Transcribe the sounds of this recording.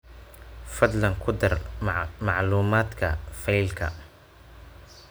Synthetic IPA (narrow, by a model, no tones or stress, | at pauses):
fɐd̪lɐŋkʰʊd̪ɐrmɑʕluːmaːd̪kʰɐfɛjlkʰɐ̰